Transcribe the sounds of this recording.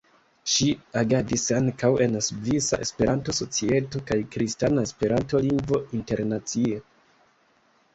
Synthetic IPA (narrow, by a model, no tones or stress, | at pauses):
ʃiaɡadisaŋkawe̞nasuvisaʔe̞̰spe̞ɾʔanto̞so̞t͡sie̞to̞kajkɾistanae̞spe̞ɾʔanto̞liŋɡvo̞inte̞ɾnat͡sie